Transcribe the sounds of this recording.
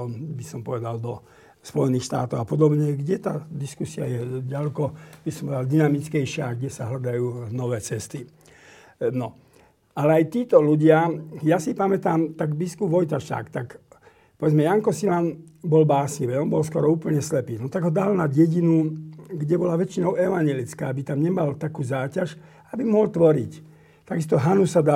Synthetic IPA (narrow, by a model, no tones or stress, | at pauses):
ɔnbisɔmpɔʋɛd̪ald̪ɔ | spɔjɛniːxʃt̪a̰ːt̪ɔʊapɔd̪ɔbɲɛɡɟɛt̪a̰ːd̪iskusiajɛɟalɛkɔbisɔmpɔʋɛd̪ald̪inamit͡skɛjʃɪaɡɟɛsaɦlad̪ajuːnɔʋɛːt͡sɛst̪i | nɔ | alɛajt̪iːt̪ɔluɟɪajasipamɛt̪aːmt̪aɡbiskubʋɔjt̪aʃa̰ːkt̪ak | pɔʋɛd͡zmɛjaŋkɔsilanbɔlbaːsɲiʋɛɔnbɔlskɔɾɔuːpl̩ɲɛslɛpiːnɔt̪aɡɦɔd̪alnaɟɛɟinuɡɟɛbɔlaʋɛt͡ʃinɔʊɛʋaɲjɛlit͡skaːbit̪amɲɛmalt̪akuːzaːcaʃ | abimɔɦɔlt̪ʋɔɾḭc | t̪aɡist̪ɔɦanusad̪a